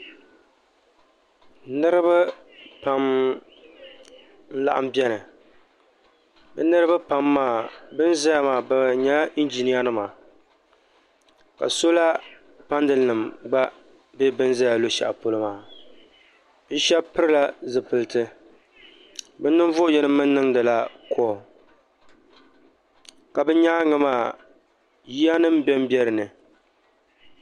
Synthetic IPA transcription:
nɨ˦ɾɨ˦ba˦ | pa˨˦m | n̩˦la˦˨ʔa̰˨m˦bɛ˦nɨ˨ | bɨ̰˦nɨ˦ɾɨ˦ba˦pa˨mːaː˦˨bɨ˦n˦za˦ja˦maː˨ba˨ɲa˦i˦nd͡ʒi˨ni˦a˦nɨ˦maː˨ | ka̰˨so˦la˦ | pa˦ndɨ˨nɨ˨mɡ͡ba˦ | be˦bɨ˦nza˦ja˨lo˦ʃa̰˨ʔpo˦lɨ˦maː˨ | bɨ˦ʃɛ˦bpɨ˦ɾɨ˦la˦zɨ˨pɨ˨lɨ˦tɨ˦ | bɨ˦nːɨ˦ɱ˦vʊ˦jɛ˦nɨ˦mːɨ˦nː˦ɨ˦ŋ˦dɨ˨la˦kʰɔ˦˨ | ka˨bɨ˦ɲaː˦ŋɨ˦maː˨ | ji˦ja˦nɨ˦mbɛ˦m˦bɛ˦ɾɨ˨nɨ˨

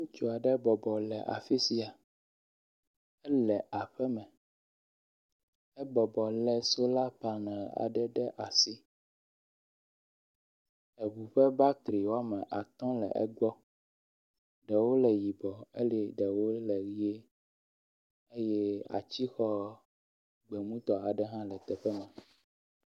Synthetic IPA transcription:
ŋũ˦t͡ʃo˦a˨ɖɛ˦bɔ˨bɔ˨lɛ˨ʔa̰˨fi˦si˦a˨ | ɛ˦lɛ˨ʔa˨ɸɛ˦mɛ̃˨ | ɛ˦bɔ˨bɔ˨lɛ˨so˦la˦pa˨nɛ̃˨la̰˨ɖɛ˦ɖɛ˦ʔa˨si˦ | ɛ˨βu˨ɸɛ˦ba˦t̪ɾi˨wo˦a˦mɛ̃˨ʔa˨t̪ɔ̃˦lɛ̰˨ʔɛ̰˦ɡ͡bɔ˦ | ɖɛ˨wo˦lɛ˨ji˨bɔ˨e˦li˨ɖɛ˨wo˦lɛ˨ɣi˦e˦ | e˦jɛ˦a̰˨t͡ɕi˦xɔ˦ | ɡ͡bɛ˨mũ˦t̪ɔ˨a˨ɖɛ˦ɦã˦lɛ˨t̪ɛ˨ɸɛ˦mɛ̃˨

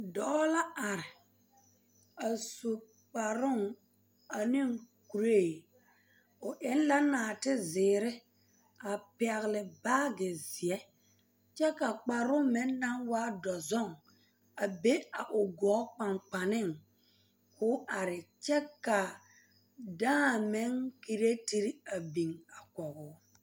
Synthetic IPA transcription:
dɔ˨˦la˦ʔa˨ɾɪ˨ | a˨so˨ | k͡pa˨ɾʊ˦˨ŋ | a˨nɪ˦ŋku˨ɾe˦˨ | ʊ˨ʔɪ˦n˦la˦naː˨tɪ˦zɪː˨ɾɪ˦ | a˨pɪ˨a˨ɣlɪ˨baː˦ɡe˨zi˨ɛ˦ | t͡ʃɛ˦ka˨k͡pa˨ɾʊ˦mɪ˦nːa˦ŋwaː˦dɔ˨zɔ˦˨ŋ | a˨be˦a˨ʔʊ˨ɡɔː˨˦k͡pa˨ŋk͡pa˨nɪ˦˨ŋ | kʊ˦ʔa˨ɾɪ˨t͡ʃɛ˦ka˨ | dãː˦˨me˦ŋki˦ɾe˦ti˦ɾi˦a˨bi˨ŋa˨kɔ˨ɣʊ˨˦

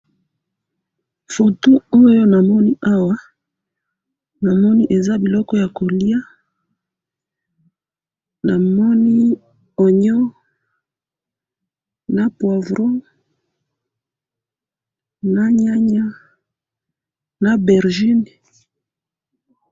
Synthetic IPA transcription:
fo˨to˦o˦jo˦na˨mɔ˦ni˦ʔa˦wa˦ | na˨mɔ˦ni˦ʔe˨za˦bi˨lɔ˦kɔ˦ja˨ko˨li˦a˦ | na˨mɔ˦ni˦ | o˨ɲɔ˦ | na˦pwa˨vʁo˦ | na˦ɲa˦ɲa˦ | na˨bɛ˨ʁʒi˦ni˨

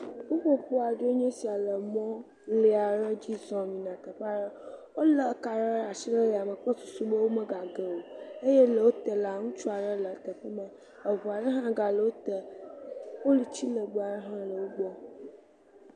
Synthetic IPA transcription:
wo˦ɸo˦ɸo˦a˨ɖo˦e˦ɲɛ̃˦si˨a˨lə˨mɔ̃˦ | le˨a˨ɾə˦d͡ʑi˦zɔ̃˨mĩ˨nã˨t̪ə˨ɸa˦ɾə˦wo˦lə˨˦ka˨ɾə˦a˨ʃi˦lə˦ɾa˨mə˨k͡pə˦su˨su˦bə˦wo˦mə˦ɡa˨ɡə˦wo˨e˦je˦lə˨wo˦t̪ə˨la˨ŋũ˦t͡ʃu˦a˨ɖə˦lə˨t̪ə˨ɸə˦mə̃˨ | ə˨vo˨a˨ɖə˦ɦã˦ɡa˨lə˨wo˦t̪ə˨ | wo˦li˨t͡ɕi˦lə˨ɡ͡ba˨ɖə˦ɦã˦lə˨wo˦ɡ͡bɔ˦

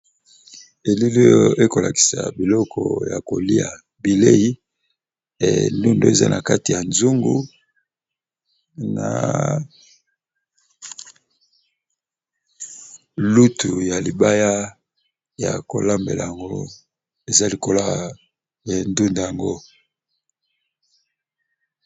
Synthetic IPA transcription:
e˨li˦lo˦jo˦e˦ko˨la˨ki̥˨sa̰˨bi˨lɔ˦kʰɔ̰˨ja˨ko˨li˦a˨ | bi˨le˦ji˦˨ | ndu˦ndo˦e˨za̰˦nʔa˨ka˦ti˨ja˨nzu˦ŋɡu˦ | na̰˨ | lu˦tu˨ja˨li˨ba˦ja˦ | ja̰˨ko˨la˦mbe˨la˨ja˨ŋɡo̰˦ | e˨za˦li˨ko˦la˦ | e˨ndu˦nda˨ja˨ŋɡo˦

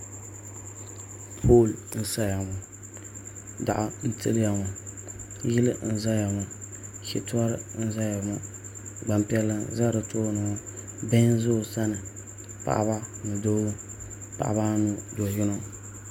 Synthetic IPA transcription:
pʰo˦˨ln̩˦sa˦ja˨mɔ˨ | da̰˨ʔa˨n̩˦tɨ̰˦lja˨mɔ˨ | jɪ˦lɨ˦n̩˦za˦ja˨mɔ˨ | kḭ˦tu˦a˦ɾɨ˦n̩˦za˦ja˨mɔ˦ | ɡ͡ba˨mpi˦ɛ˦lːa˦za˦ɾɨ˨tʰoː˦˨nɨ˨ŋɔ˦ | bɛ˦n˦zo˦˨sa˦nɨ˨ | pa̰˨ʔa̰˦βa˦nɨ˨do˦ɡu˦ | pa̰˨ʔa̰˨ba˦nu˦dɔ˨jɪ˦no˦

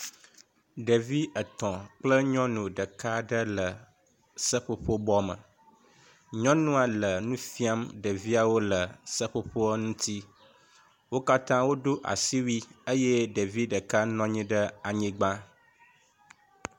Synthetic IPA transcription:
ɖə˨vi˦ə˨t̪ɔ̃˨k͡plə˦ɲɔ̃˦nũ˨ɖə˨ka˦ɖə˦lə˨ | sə˦ɸo˦ɸo˦bɔ˦mə̰̃˨ | ɲɔ̃˦nũ˦a˨lə˨nũ˦fi˦a˦mɖə˨vi˦a˨wo˦lə˨sə˦ɸo˦ɸo˦ə˦nũ˦t̪i˦ | wo˦ka˦t̪ã˦wo˦ɖo˦ʔa̰˨si˦wi˦ə˦jɛ˦ɖe˨vi˦ɖə˨ka˦nɔ̃˦ɲĩ˦ɖə˦a˨ɲĩ˦ɡ͡bã˦

